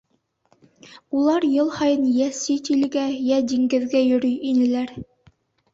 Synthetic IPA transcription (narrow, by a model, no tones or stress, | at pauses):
ulˠɑɾjɤlˠhɑjɤnjæsit̪ilɡæjæd̪iŋɡɘ̆ðɡæjɵ̆ɾyjinɘ̆læɾ